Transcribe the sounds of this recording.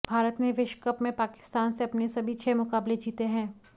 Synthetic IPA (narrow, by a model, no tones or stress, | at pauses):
bʱaːɾət̪mẽʋɪʃkəpmẽpaːkɪ̥st̪aːnseɐpnesɐbʱit͡ʃʰeːmʊkaːbled͡ʒiːt̪eɦɛ̃ː